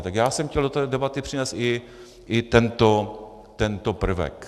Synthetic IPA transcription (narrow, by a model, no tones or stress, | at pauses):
t̪aɡjaːsɛmxcʲɛldot̪ɛːdɛbat̪ɪpr̥ɪnɛːst̪ɪ | ʔɪt̪ɛnt̪o | t̪ɛnt̪opr̩vɛ̰k